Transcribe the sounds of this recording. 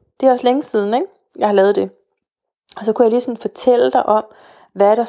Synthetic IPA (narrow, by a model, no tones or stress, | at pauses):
d̥e̝æɒ̽sleŋəsiːð̞ˠn̩eɡ̥ | jɑɪhɑ̈lɛːð̞̩ˠd̥e̝ | ɒ̽sɒ̽kʰujɑ̈liːsɒ̽nfɒ̽t͡sʰel̰əd̥ɑ̈ɪʔɒ̽m̰ | ʋæɾ̥ɑ̈